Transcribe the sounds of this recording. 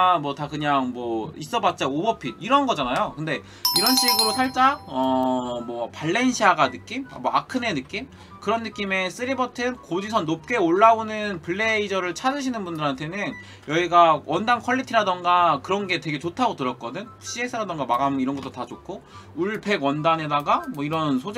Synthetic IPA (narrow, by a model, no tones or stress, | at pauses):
mwʌtakɯɲaŋmwʌis͈ʌbat̚t͡ɕ͈aobʌpʰidiɾʌnɡʌd͡ʑanajokɯnde̞ | iɾʌnɕ͈ʰiɡɯɾosʰaɭt͡ɕ͈aʌmwʌpaɭːe̞nɕʰiaɡanɯk͈im̰mʌakʰɯnenɯk͈im | kɯɾʌnːɯk͈ime̞s͈ɯɾibʌtʰɯnkod͡ʑis̬ʰʌnːop̚k͈e̞oɭːaonɯnpɯɭːe̞id͡ʑʌɾɯɭt͡ɕʰad͡ʑɯɕ̬ʰinɯnbundɯɾantʰe̞nɯn | jʌiɡawʔʌndankʰʌɭːitʰiɾadʌnɡakɯɾʌnɡe̞twe̞ɡe̞t͡ɕotʰaɡotɯɾʌt̚k͈ʌdɯn | ɕ͈ʰiesʰɯɾadʌŋɡamaɡamiɾʌnɡʌt͈otat͡ɕok͈ʰouɭpʰe̞ɡwʌndane̞daɡamwʌiɾʌnsʰod͡ʑ